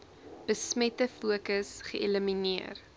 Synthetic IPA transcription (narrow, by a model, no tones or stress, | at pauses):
b̥əsmɛtəfuəkəsχəʔeləminiər